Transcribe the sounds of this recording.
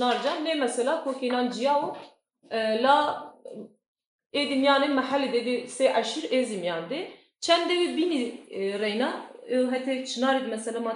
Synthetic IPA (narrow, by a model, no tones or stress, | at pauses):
nɑːɾd͡ʒɑːnnemɛsɛlɑːkʰokenɑːnd͡ʒijɑːu | lɑː | eːd̪imjɑːnemɛhælːed̪ed̪iseːʔæʃiɾeːzimjɑːnd̪e | t͡ʃʰɛnd̪ewibinirɛjnɑːɛwɦɛt̪ʰet͡ʃʰɨnɑːɾid̪mɛsɛlamɑ